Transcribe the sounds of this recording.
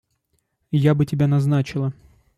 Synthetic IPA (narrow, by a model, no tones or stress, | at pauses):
jabɨtʲɪbʲanɐznat͡ɕɪlˠə